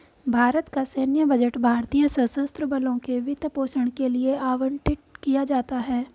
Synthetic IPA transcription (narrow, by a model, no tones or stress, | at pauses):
bʱaːɾət̪kasɛːnjəbəd͡ʒəʈbʱaːɾt̪ijəsə̃sə̃st̪ɾəbɐlõkeʋɪt̪poːsəɽ̃kelieaːʋəɳʈɪʈ̚kijad͡ʒaːt̪aɦɛː